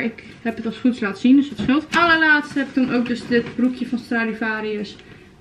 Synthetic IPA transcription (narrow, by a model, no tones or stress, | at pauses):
ɪk | hɛpətɑlˠsχutslaːtəsindøsətsχɪlˠtʔɑləɹlaːtsthɛpɪk̚tunʔowk̚dɵsdɪtbrukjəvɑnstraːlivaːɾiəs